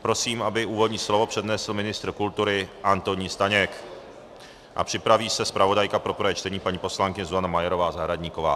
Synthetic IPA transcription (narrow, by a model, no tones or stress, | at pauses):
pɾo̞siːmʔabɪʔuːvodɲiːslo̞vo̞pr̝̥ɛdnɛslmɪnɪst̪ɾ̩kult̪uɾɪʔant̪oɲiːst̪aɲɛk | ʔa̰pr̥ɪpɾaviːsɛspɾavo̞dajkapɾopɾaɛt͡ʃt̪ɛɲiːpaɲiːpo̞slaŋkɪɲɛzuzanamajɛɾo̞vaːzaɦɾadɲiːko̞va̰ː